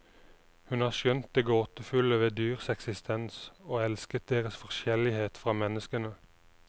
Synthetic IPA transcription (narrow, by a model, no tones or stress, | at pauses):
hʉnhɑːʁʃjœnt̪̚d̪eːɡoːt̪əfʉləʋeːd̪yːʁsɛksɪst̪ʰɛnsoːɛlskət̪̚d̪eːʁəsfɔʁʃɛlɪheːt̪fʁɑːmɛnəskənə